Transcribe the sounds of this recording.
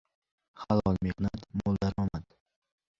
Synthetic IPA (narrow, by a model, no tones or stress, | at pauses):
χalˠɒlˠmehnat̪molˠd̪aɾɒmat̪